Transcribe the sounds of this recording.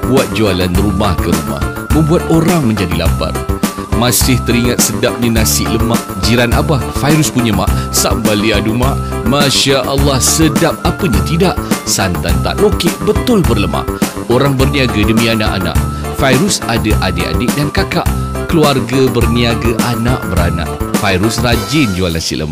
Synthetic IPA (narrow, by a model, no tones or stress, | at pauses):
buat̪̚d͡ʒualanɾumahkəɾuma̰h | mə̃mbuat̪̚oɾaŋmə̃ɲd͡ʒadila̰pa̰rmasɪht̪əɾiŋat̪̚sədap̚ɲanasɪʔləmaʔd͡ʒiɾanʔabahfajɾuspuɲama̰ʔsa̰mbaliadumaʔmaʃaʔalːahsədap̚apəɲat̪idaʔsant̪ant̪a̰ʔlokɪʔbət̪ʊlbərləma̰ʔ | oɾaŋbərniaɡədəmĩana̰ʔa̰nã̰ʔfajɾʊsadaʔadɪʔa̰dɪʔ̚dankakaʔ | kəluarɡabərniaɡaʔanaʔbəɾana̰ʔfajɾusrad͡ʒɪnd͡ʒualnasɪ̰ʔlə̰ma